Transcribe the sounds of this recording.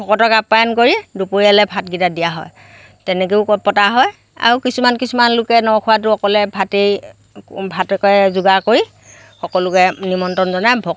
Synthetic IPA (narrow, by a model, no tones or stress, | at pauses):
bʱɔkɔtɔkapːajankoɹidupoɹialɛbʱatɡitadijaɦɔ̰j | tɛnɛk̬eʊkɔpɔtaɦɔj | a̰ɹukisumankisumanlʊkɛnɔwkʰʊwat̬ʊɔkɔlɛbʱatej | bʱatɛkɔzuɡakoɹi | xɔkɔlʊkɛnimɔntɔnzɔnajbʱɔ